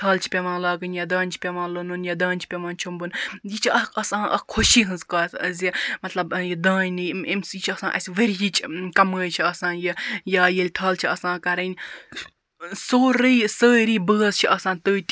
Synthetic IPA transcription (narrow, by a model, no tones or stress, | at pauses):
ʈʰɐːlt͡ʃʰi̥pʲeʋãːnlaːɡɨnjaːd̪aːnʲt͡ʃʰi̥pʲeʋãːlonunjad̪aːnʲt͡ʃʰi̥pʲeʋaːnt͡ʃʰumbɨnjit͡ʃʰiɐɐsãːʔɐ̰kʰuʃiːɦɨnzkaːsɐzʲimɐt̪lɐbjid̪ãːnnɨemsjit͡ʃʰɐsãːʔɐsʲʋeɾjit͡ʃʰkɐməːjt͡ʃʰiɐsãːnjijaːjelʲʈʰɐːlt͡ʃʰiɐsãːkɐɾɐnʲ | soːɾɨjsəːɾiːbəːzt͡ʃʰiʔɐsãːnt̪əːt̪ʲ